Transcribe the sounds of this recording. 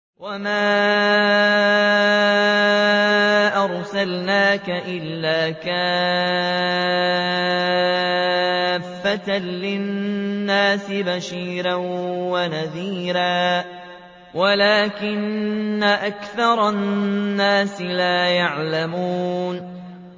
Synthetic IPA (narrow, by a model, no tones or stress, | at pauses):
wamaː | ʔɑɾˤsalnaːkaʔɪlːaːkaː | fːat̪alɪnːaːsɪbaʃiːɾanwanaðiːɾaː | walaːkɪnːaʔakθɑɾˤɑnːaːsɪlaːjaʕlamuːn